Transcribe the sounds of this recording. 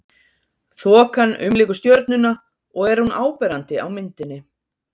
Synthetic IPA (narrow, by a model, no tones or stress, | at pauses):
θɔːkanʏ̰mliːkʏst̪jœɾt̪̚nʏna | ɔɣɛɾ̥hunʔaːwpɛɾant̪ɪa̰wmɪnt̪ɪnːɪ